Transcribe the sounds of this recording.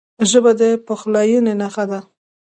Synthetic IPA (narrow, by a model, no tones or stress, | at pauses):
ʒəbad̪əpəxlɑjunenaxad̪a